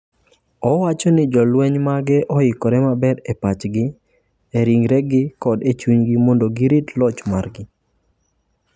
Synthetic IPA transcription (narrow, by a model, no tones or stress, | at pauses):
ɔwat͡ʃɔnɪd͡ʒɔlwɛɲmaɡɛʔɔɪkɔɾɛmabɛɾepat͡ʃɡɪ | eɾiŋɾɛɡɪkɔdet͡ʃuɲɡɪmondoɡɪɾitlɔt͡ʃmarɡɪ